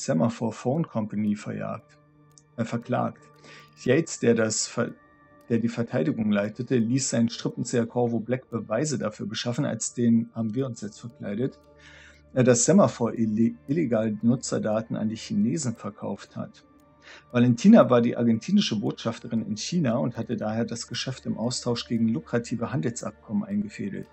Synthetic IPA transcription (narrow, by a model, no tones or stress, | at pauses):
z̥ɛmɐfɔɐfoʊnkʰɔmpaniːfɛɐja̰ː | fɛɐkl̥a̰ːkt | çɛɪt͡sd̥eːɐas | d̥eːɐdiːfɛɐtʰaɪdɪɡʊŋlaɪtʰətəliːsz̥aɪnənʃtʁ̥ɪpn̩t͡seɐkʰɔɐvoblɛkb̥əvaɪzədafyːɐbəʃafn̩a̰lsd̥eːnənhaːbm̩viːɐʊnsjɛt͡stfɛɐkʰl̥a̰ɪɾət | ʔeːɐdasz̥ɛmɐfoːɐʔɪleɡaːlbənʊt͡sɐ̰daːtn̩ʔa̰ndiːçineːzn̩fɛɐkʰa̰ʊftha̰t | valɛntʰiːnavaːɐdiːʔaɐɡɛntʰiːnɪʃəboːtʃaftəʁɪnɪ̰nçiːnaʊnthatədaːheːɐdasɡ̥əʃɛftɪmʔaʊstʰaʊʃɡ̥eːɡŋ̩lʊkʁ̥atʰiːvəɦandl̩sʔa̰p̚kʰɔmənʔaɪnɡəfeːdl̩t